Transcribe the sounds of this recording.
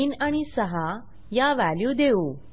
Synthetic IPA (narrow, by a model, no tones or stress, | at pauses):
inaɽ̃isəɦa | jaʋæljud̪eu